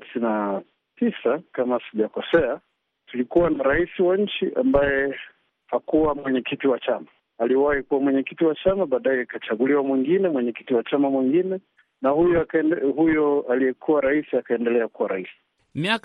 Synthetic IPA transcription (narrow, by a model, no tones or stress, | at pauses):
sina | tʰisakamasiʄakɔsɛa | tulikuwanaɾaisiwaɲ̩t͡ʃiʔa̰mbajɛ | hakuwamwɛɲɛkitiwat͡ʃama | aliwahikuwamwɛɲɛkitiwat͡ʃamaɓaːɗajɛkat͡ʃaɠuliwamwiŋɡinɛmwɛɲɛki̥tiwat͡ʃamamwiŋɡinɛ | nahujɔhujɔalijɛkʰuwaɾaisiakaɛndɛlɛakuwaɾaisi̥ | miak